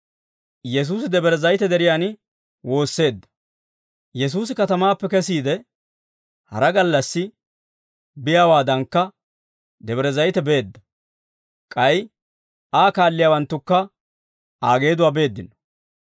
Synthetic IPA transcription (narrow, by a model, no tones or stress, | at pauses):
jɛs̬uːs̬ɪd̪ɛbɛɾɛzɐjt̪ɛd̪ɛɾɪjaːnɪ | wo̞ːsːe̞ːd̪ːɐ̥ | jɛs̬uːs̬ɪkɐt̪ɐmaːpːɛkɛsiːd̪ɛ | hɐ̰ɾɐɡɐlːɐsːɪ | bɪjaːwaːd̪ɐŋkːɐ | d̪ɛbɛɾɛzɐjt̪ɛbe̞ːd̪ːɐ | kʼɐj | ʔaːkaːlːɪjaːwɐnt̪ːʊkːɐ | aːɡe̞ːd̪ʊwaːbe̞ːd̪ːɪnɔ̥